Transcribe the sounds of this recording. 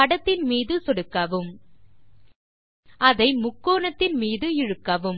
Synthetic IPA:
ɐɽɐt̪ːɪnmiːðɯsɔɽɯkːɐʋɯm | ʔɐðɐɪmʊkːoːnɐt̪ːɪnmiːðɯɪɻɯkːɐʋɯm

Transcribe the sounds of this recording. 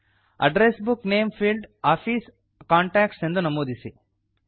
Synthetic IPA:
ɐ̰ɖɾesbukneːmpʰilɖaːpʰiːs | kaːɳʈaːkʈse̞nd̪unɐmoːd̪isi

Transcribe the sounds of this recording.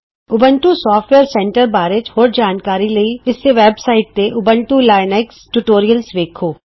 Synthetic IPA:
ʊbə̃ɳʈusɔːfʈʋeːɾsɛ̃ɳʈəɾbaːɾɪd͡ʒhoːɾd͡ʒaːnkaːɾilɐiɪsːeʋɛːbsaːɪʈ̚t̪eʔʊbə̃ɳʈulaːɪnɛksʈuʈoːɾijəlsʋeːkʰɦoː

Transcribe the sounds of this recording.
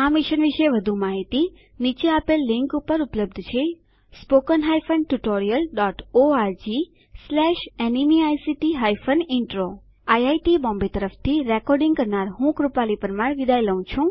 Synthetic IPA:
amiʃənʋiʃeʋəd̪ʱũmaɦit̪i | nit͡ʃeapelːɪŋkupəɾupləb̚d̪ʱt͡ʃʰe | spokənɦajfənʈuʈoɾijəlɖɔʈoaɾd͡ʒi | slɛʃenimiajsiʈiɦajfʰənɪɳʈɾo | ajajʈibɔ̃mbet̪əɾəft̪ʰiɾɛkɔɾɖĩŋɡkəɾnaɾɦũkɾupalipəɾmaɽʋid̪ʱajləũt͡ʃʰũ

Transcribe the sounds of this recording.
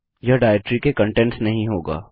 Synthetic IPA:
jɐɖaːɛk̚ʈɾikekɐ̃ɳʈɛ̃ɳʈsnɐɦĩɦoːɡa̰ː

